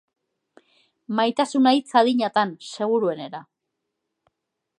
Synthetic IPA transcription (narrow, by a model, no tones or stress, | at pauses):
majt̪asunajt͡saðiɲat̪anse̞ɣ̞uɾue̞ne̞ɾa